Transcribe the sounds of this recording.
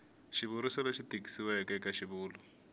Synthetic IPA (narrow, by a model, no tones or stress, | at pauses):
ʃiβuɾisɛlɔʃidʼikʼi̥siwɛkʼɛkʼaʃiβuːlɔ